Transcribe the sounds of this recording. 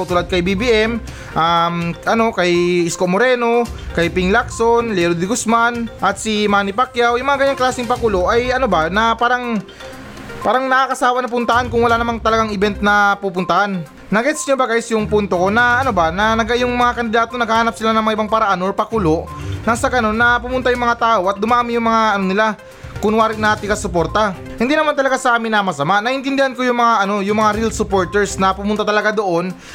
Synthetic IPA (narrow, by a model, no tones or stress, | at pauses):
t̪uːlad̪̚kɐjbibiʔɛm | ʔamʔɐno̞kɐjɪskoʔmoɾɛːno̞kɐjpɪŋlaksonlɛɾod̪ɪɡʊsmanʔɐt̪̚simaːnɪpakjawjʊŋmɐŋaɡɐɲːaŋklaːsɪŋpɐkuːlo̞ʔɐjɐnobanɐpaːɾɐŋ | paːɾɐŋnɐʔakɐsaːwɐnɐp̬ʊnt̪ɐhankʊŋwɐlanɐmaŋt̪ɐlɐɡaŋɪbɛnt̪̚nɐpupʊnt̪ɐhanː | ɐɡɛt̪sɲobɐɡajsjʊŋpunt̪o̞ko̞nɐʔɐnobanɐnɐɡɐjʊŋmɐŋakɐnd̪ɪd̪aːt̪o̞nɐɡhahaːnɐp̚sɪlanɐŋmɐŋaʔɪbaŋpɐɾɐʔanʔoɹpɐkulo̞ʔnɐŋsɐɡɐno̞nːɐpʊmʊnt̪ajʊŋmɐŋat̪aːʔo̞ʔɐt̪̚d̪ʊmaːmɪjʊŋmɐŋaʔɐno̞nɪla | kʊŋwaːɾɪnaːt̪ɪŋkɐsʊpo̞ɾt̪ɐ | hɪnd̪inɐmant̪ɐlɐɡasɐʔaːmɪnːɐmɐsɐmaʔnɐʔɪnt̪ɪnd̪ɪhanko̞jʊŋmɐŋaʔɐno̞jʊŋmɐŋaɾilsʊpo̞ɹt̪ɛɹsnɐpʊmʊnt̪ɐt̪ɐlɐɡad̪o̞ʔo̞n